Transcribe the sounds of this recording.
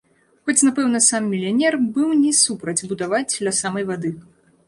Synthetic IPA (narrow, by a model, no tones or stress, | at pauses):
xɔt͡sʲnapɛwnɐsamːʲilʲanʲɛrbɨwnʲɛsupɾɐd͡zʲbud̪avad͡zʲd̪lʲɐsamɐjvad̪ɨ